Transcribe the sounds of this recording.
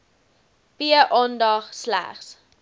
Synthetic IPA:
piəʔɑndɐχslæ̰χs

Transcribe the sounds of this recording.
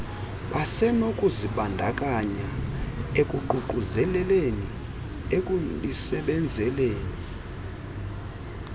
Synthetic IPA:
ɓasɛnokʼuziɓandʱakʼaɲaekʼuǃuǃuzɛlɛleni | ekʼulisɛɓɛnd͡zʱɛleːni

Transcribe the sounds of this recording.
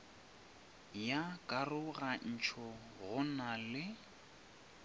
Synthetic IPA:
jakʼarʊɣan̩t͡ʃʰɔ | ɣʊnalɪ

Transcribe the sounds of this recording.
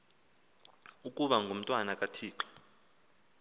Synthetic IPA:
ukʼuɓaŋɡʱum̩tʼwanakʼatʰiːǁɔ̥

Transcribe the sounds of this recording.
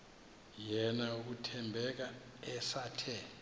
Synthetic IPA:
jɛnauk̬utʰɛmbʱɛk̬a | ɛsaːtʰɛ

